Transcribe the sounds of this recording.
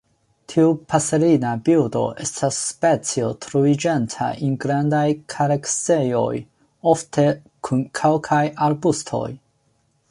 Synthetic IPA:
tʰiupʰaseɾinabildo̞̰ʔe̞̰stasːpe̞t͡sio̞tʰɾuid͡ʒentʰa̰ʔinɡɾandajkʰaɾeksejo̞̰j | o̞ftʰe̞ | kʰunkʰelkʰajaɾbustʰo̞̰j

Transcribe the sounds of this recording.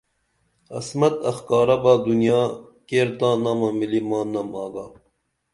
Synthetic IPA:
ɐ̰smɐt̪ɐxkɑːɾɐbaːd̪unijaːkeːɾd̪ãːnaːmɐmilimaːnɐmaːɡaː

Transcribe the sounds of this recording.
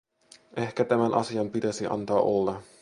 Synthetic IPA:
ʔe̞hkæt̪æmænʔɑ̰siɑmpit̪æsiʔɑ̰nt̪ɑːʔolːɑ

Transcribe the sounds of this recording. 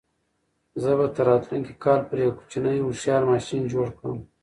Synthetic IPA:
zəbat̪aɾɑːt̪luŋkikɑːlpəɾjɐwku̥t͡ʃinəjusjɑːɾmɑːʃind͡ʒoːɽkəwm

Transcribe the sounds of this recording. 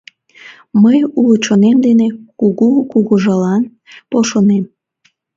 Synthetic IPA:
məjulot͡ɕonemd̪enekuɣukuɣuʒɑlɑn | poʃonem

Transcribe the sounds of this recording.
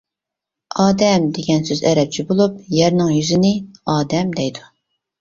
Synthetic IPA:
ɑːd̪ɛmd̪eɡʲɛnsøzɛɾɛp̚t͡ʃʰibolˠup̚jɛɾnɪŋjyzɪnɪɑːd̪ɛmd̪ɛjd̪u

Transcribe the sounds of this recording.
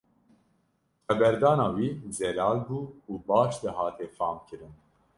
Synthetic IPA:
χɛbɛɾd̪ɑːnɑːwiːzɛlɑːlbuːuːbɑːʃd̪ɛɦɑːt̪ʰɛfɑːmkʰɨɾɨn

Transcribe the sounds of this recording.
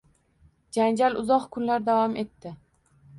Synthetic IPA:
d͡ʒand͡ʒalʊzɒqkʰʊnlaɾd̪avɒme̞t̪ːɪ

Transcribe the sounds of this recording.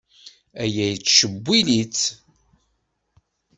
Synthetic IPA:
æjæjt͡sːʃəbʷːilit͡s

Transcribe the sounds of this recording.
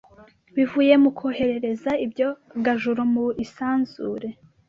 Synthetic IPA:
βivuːje̞mukohe̞ɾe̞ɾe̞zaibɟo̞ɡaʒuɾomuisaːnz̥uːɾe̞

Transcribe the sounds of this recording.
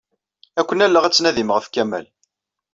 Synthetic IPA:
ækʷːənælːaʁæt͡sːnæðiməʁəfkæmæ̰l

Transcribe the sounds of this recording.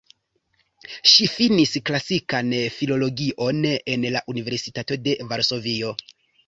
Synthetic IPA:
ʃifinisklasikanfilo̞lo̞ɡiʔo̞ne̞nlaʔunive̞ɾsitato̞de̞vaɾso̞vio̞

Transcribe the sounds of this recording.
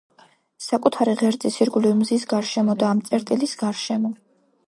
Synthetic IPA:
sakʼut̪ʰaɾiʁɛɾd̪zʼisiɾɡulivmzisɡaɾʃɛmɔd̪aːmt̪sʼɛɾt̪ʼilisɡaɾʃɛmɔ

